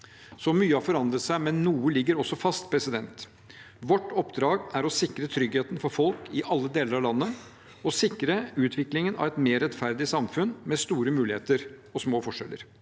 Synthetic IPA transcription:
sɔmyːəɑfɔɾɑnd̪ɾət̪sæɪmɛnːuːəlɪɡːəɾɔsːɔfɑst̪pʰɾɛsɪd̪ɛnt̪ | ʋɔʈːɔpd̪ɾɑːɡæɾɔsɪkɾət̪ʰɾʏɡheːt̪ən̩fɔɾfɔlkɪʔɑlːəd̪eːləɾɑʋlɑnːə | ɔsɪkɾəʉːt̪ʰʋɪklɪŋənɑ̰ʋɛt̪meːɾɛt̪fæɾd̪ɪsɑmfʉnmɛst̪uːɾəmʉːlɪheːt̪əɾ | ɔsmoːfɔʂɛlːə̰ɾ

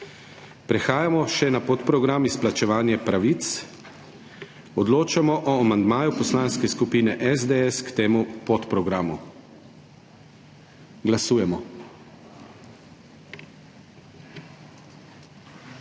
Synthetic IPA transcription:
pɾɛxaːjamɔʃɛnapɔt̪pɾɔɡɾamisplat͡ʃɛʋaːnjɛpɾaʋit̪s | ɔd̪loːt͡ʃamɔʔɔamand̪maːjupɔslaːnskɛskupiːnɛʔɛzd̪eɛskt̪eːmupɔt̪pɾɔɡɾaːmu | ɡlasuːjɛmɔ

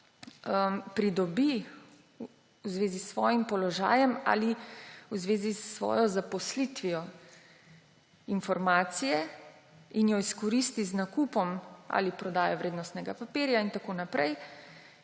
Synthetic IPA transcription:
əmpɾid̪ɔbi | wzʋeːzisʋɔ̰ːjimpɔlɔʒa̰ːjɛma̰ːliwzʋeːzisːʋɔ̰ːjɔzapɔslit̪ʋijɔ | infɔɾmaːt̪sijɛ | injɔiskɔɾist̪iznakupɔma̰lipɾɔd̪aːjɔʋɾeːd̪nɔst̪nɛɡapapiːɾjaint̪akoːnapɾɛj

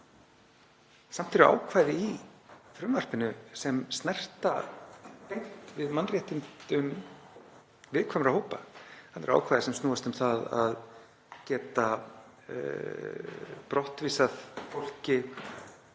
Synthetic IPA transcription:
sam̥t̪ʰɛɾa̰ːwkʰvaːjðɪifɾʏmvar̥pɪnʏsɛmst̪nɛr̥t̪a | pejŋ̥t̪vɪðmanrjɛht̪int̪ʏn | vɪðkʰvaːmʏɾahoːwpahanɛɾa̰ːwkʰvajðɪsɛmst̪uːast̪ʏmθaða̰ð | cɛːt̪a | pɾɔht̪viːsaðfowl̥cɪ

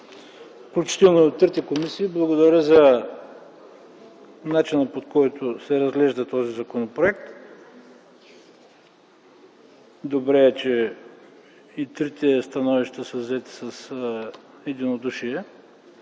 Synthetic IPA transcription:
fklʲut͡ʃi̥t̪ɛlˠnoɛot̪ːɾit̪ɛkomisiːblˠɐɡod̪ɐɾʲəzɐ | nat͡ʃinəpot̪kɔjt̪ʰosɛɾɐzɡlɛʒd̪ət̪ɔzizɐkonopɾoɛk̚t̪ | d̪obɾɛɛt͡ʃɛ | it̪ɾit̪ɛst̪ɐnɔviʃt̪əsəzɛt̪i̥sɐs | ɛd̪inod̪uʃiɛ

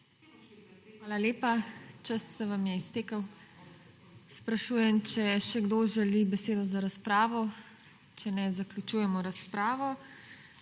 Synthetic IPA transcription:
xʋaːlaleːpat͡ʃasːɛʋamjɛist̪eːkəw | spɾaʃuːjɛmt͡ʃɛʃɛɡd̪oʒɛlibɛseːd̪ɔzaɾaspɾaːʋɔ | t͡ʃɛnɛzaklʲut͡ʃuːjɛmɔɾaspɾaːʋɔ

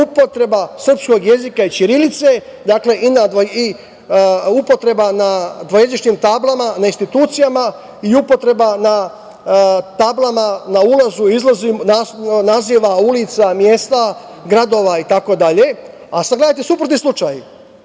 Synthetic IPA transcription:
upo̞t̪ɾe̞basr̩psko̞ɡje̞zikait͡ʃiɾilit̪se̞ | d̪aːkle̞ʔinad̪ʋoi | upo̞t̪ɾe̞banad̪ʋojed̪iʃɲimt̪aːblˠamanainst̪it̪uːt̪sijama | iupo̞t̪ɾe̞bana | t̪aːblamanaulazuizlˠazimnanaziːʋaulit̪samjeːst̪a | ɡɾad̪o̞ʋait̪ako̞d̪aʎe̞ | asaɡled̪at̪esupɾot̪islˠut͡ʃaj

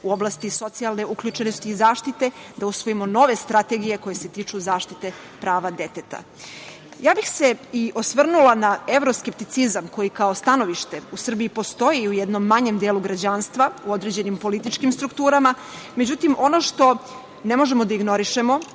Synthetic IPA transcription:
uo̞blˠast̪iso̞t̪sialˠne̞ukʎut͡ʂenost̪iːzaːʃt̪it̪e̞d̪ausʋo̞jimo̞no̞ʋe̞st̪ɾat̪eɡije̞ko̞je̞se̞t̪iːt͡ʂuzaːʃt̪it̪e̞ | pɾaːʋad̪e̞t̪et̪a̰ | jaːbixse̞iʔosʋr̩nulˠanaevɾo̞skep̚t̪it̪sizamko̞jikaost̪ano̞ʋiʃt̪e̞usr̩biipo̞st̪o̞jiujɛd̪no̞mːaɲe̞md̪eːlˠuɡɾad͡ʑanst̪ʋauo̞d̪ɾed͡ʑenimpo̞lit̪it͡ʃkimst̪ɾukt̪uːɾama | me̞d͡ʑut̪imʔo̞no̞ʂt̪o̞ | ne̞mo̞ʒe̞mo̞d̪aiɡno̞ɾiʃe̞mo̞

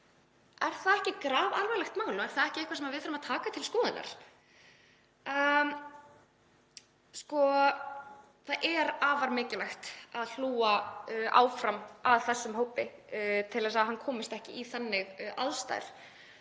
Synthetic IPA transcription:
ɛɾ̥θaðɛhcɪkɾaːvalvajlɛxt̪maːwlʏmɛɾ̥θaðɛhcɪɛhkvasɛmavɪðfʏɾʏmat̪ʰaːkat̪ʰɪlskɔːðɪna̰ɾ̥ | skɔ | θaðʔɛɾaːvaɾmɪːcɪlajxt̪aðl̥uːaʔa̰ːwfɾamaðθɛsːʏmhowpɪt̪ʰɪlɛsaðɦanːkʰɔːmɪst̪ɛhcɪʔiθanːɪɣʔa̰lst̪a̰jɾ̥

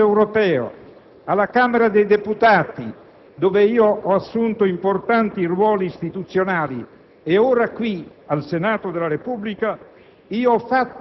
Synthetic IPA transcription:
ewɾopɛːo̰ | alːakaːmeɾad̪ejd̪eput̪aːt̪i | d̪oveiːoɔasːunt̪oimport̪ant̪iːrwɔːliːst̪it̪ut̪sːjonaːli | eoːɾakwialsenaːt̪od̪elaɾepublika | iːoɔfːat̪ː

